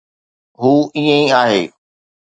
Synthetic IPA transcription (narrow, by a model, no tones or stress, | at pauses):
ɦuːiːə̃ĩaːɦḛː